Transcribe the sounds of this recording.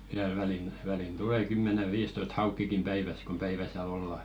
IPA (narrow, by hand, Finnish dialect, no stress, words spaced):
ʋiæl ʋælin ʋælin tule kymːene ʋiːstoist hɑukːikim pæiʋæs kom pæiʋæ sĭæ̆l̆ olːɑ